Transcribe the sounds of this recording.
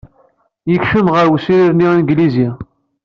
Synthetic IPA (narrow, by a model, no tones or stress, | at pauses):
jəçʃəmʁəɾwəsiɾiɾninɡlizia